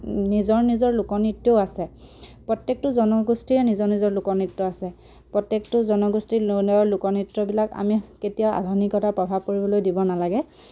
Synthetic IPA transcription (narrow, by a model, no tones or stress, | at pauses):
nizɔɹnizɔɹlukɔnitːoʊasɛpɹɔtjek̚tʊzɔnɔɡustiɹɛnizɔɹnizɔɹlukɔnitːɔasɛ | pɹɔtːektʊzɔnɔɡustilnɔɹlukɔnitːɹɔbilaka̰miketijaʊa̰dʱɔnikɔtʰapɹɔbʱab̚koɹibɔlojdibɔnalaɡɛ